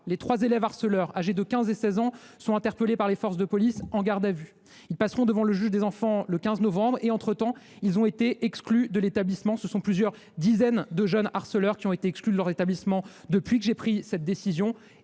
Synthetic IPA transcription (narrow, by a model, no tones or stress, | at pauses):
let̪χwazelɛvaʁsəlœʁaʒed̪əkʲɛ̃zesɛzɑ̃sɔ̃ɛ̃t̪ɛʁpəlepaʁlefɔʁs̬d̪əpɔlisɑ̃ɡaʁd̪avy | ilpasʁɔ̃d̪əvɑ̃ləʒyʒd̪ezɑ̃fɑ̃ləkʲɛ̃znɔvɑ̃bʁeɑ̃t̪χət̪ɑ̃ | ilzɔ̃et̪eʔɛksklyd̪əlet̪ablismɑ̃səsɔ̃plyzjœʁ | d̪izɛnd̪əʒœnaʁsəlœʁkʲiɔ̃et̪eɛksklyd̪əlœʁzet̪ablismɑ̃d̪əpɥikəʒepχisɛt̪̚d̪esizjɔ̃